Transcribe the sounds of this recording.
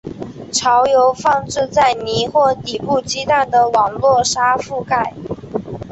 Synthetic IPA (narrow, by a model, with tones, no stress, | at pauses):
ʈ͡ʂʰɑ˧˥ʊjo˧˥ʊfɑ˥˧ŋʈ͡ʂɻ̩˥˧t͡sa˥˩ɪni˧˥xwɔ˥˩t̪i˨˩pu˥˩t͡ɕi˥t̪a˥˩nd̪ə˩wɑ˨˩ŋlwɔ˥˩ʂa˥fu˥˧ka˥˩ɪ